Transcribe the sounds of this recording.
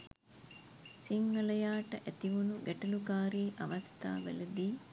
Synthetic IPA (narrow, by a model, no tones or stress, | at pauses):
siŋːɐlɐjaːʈəʔæt̪iʋunuɡæʈɐlukaːɾiːʔaʋast̪a̰ːʋæ̰ləd̪iː